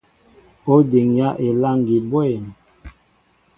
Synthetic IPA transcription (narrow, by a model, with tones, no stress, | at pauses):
o˦de˨ŋja˦ʔe˨la˦ŋ˨ɡi˨bwɛ˦˨n